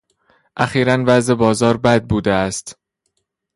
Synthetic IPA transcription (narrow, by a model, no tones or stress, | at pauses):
ʔæxiːɾænvæzebɒːzɒːɾbæd̪̚buːd̪eæst̪